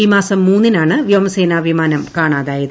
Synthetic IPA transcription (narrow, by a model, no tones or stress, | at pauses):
iːmaːsɐmːuːnːinaːɳɨʋjɐʋmɐseːnaːbʱimaːnɐmkaːɳaːðaːjɐðɨ